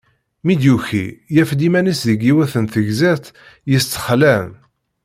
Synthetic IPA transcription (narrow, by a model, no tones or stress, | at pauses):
mid̪juçijæfd̪imænisðəɡiwæθənθəʝzæθ | jəst͡s̪ːə̥χlæm